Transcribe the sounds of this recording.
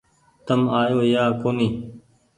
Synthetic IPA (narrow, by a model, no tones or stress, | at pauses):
t̪əmaːjoːjaːkoːniː